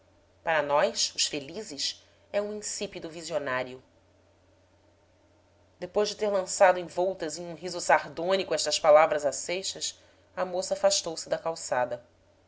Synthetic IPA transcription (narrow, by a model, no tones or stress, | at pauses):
paɾɐnɔjsʊʃfelizɪʃ | ɛũĩsipid̪ʊvizionaɾiʊ | d̪epojʒd͡ʒɪt̪eɾlɐ̃sad̪ʊẽj̃vɔwt̪ɐzẽɲũɦizʊsaɾd̪õnikʊɛʃt̪ɐspalavɾɐzasejʃɐs | ɐmosɐaːfaʃt̪owsɪd̪ɐkawsad̪ɐ